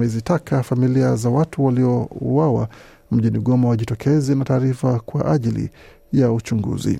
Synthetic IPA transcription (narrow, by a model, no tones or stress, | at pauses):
ɛzitakʰafamiliazawatuwaliɔuwawa̰ | m̩ʄiniɠɔmɔwaʄitɔkʰɛzinataːɾifakwa̰ʔaʄilḭ | jaut͡ʃuŋɡṵzḭ